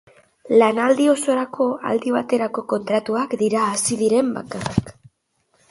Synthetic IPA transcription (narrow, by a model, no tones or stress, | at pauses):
lanald̪io̞so̞ɾakʰo̞a̰ld̪iβ̞at̪e̞ɾako̞ko̞nt̪ɾat̪uakd̪iɾaːsiðiɾe̞mba̰karak